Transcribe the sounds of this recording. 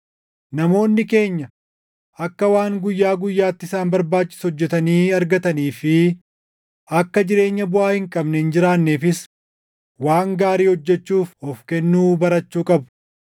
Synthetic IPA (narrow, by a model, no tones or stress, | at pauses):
nɐmo̞ːnːɪke̞ːɲːɐ | ɐkːɐwaːŋɡʊjːaːɡʊjːaːt̪ːɪsaːnbɐɾbaːt͡ʃːɪ̥shɔd͡ʒːɛt̪ɐniːɐɾɡɐt̪ɐniːfɪ | ɐkːɐd͡ʒɪɾe̞ːɲːɐbʊaːhɪŋkʼɐbnɛɪnd͡ʒɪɾaːnːeːfɪs | waːŋɡaːɾiːhɔd͡ʒːɛt͡ʃːuːfɔfkɛnːuːbɐɾɐt͡ʃːuːkʼɐbʊ̥